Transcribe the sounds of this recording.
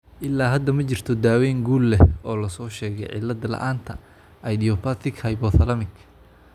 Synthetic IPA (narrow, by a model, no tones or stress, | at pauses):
ʔɪlːaːɦɐd̪ɐmɐt͡ʃɪr̥t̪ʰɔd̪aːwɛːŋɡuːlːɛʔɔːlɐsɔːʃɛːɣɛ̰jʕɪ̰lːɐd̪ɐlɐ̰ʔaːnt̪ʰɐ̰ | ɐjd̪iɔpɐt̪ɪkhɐjbɔθɐlɐmɪk